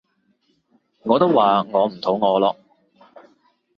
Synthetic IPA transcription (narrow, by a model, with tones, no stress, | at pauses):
ŋɔː˨˧t̪o˥waː˨ŋɔː˨˧m̩˨˩t̪ʰo˨˥wŋɔː˨˧lɔː˧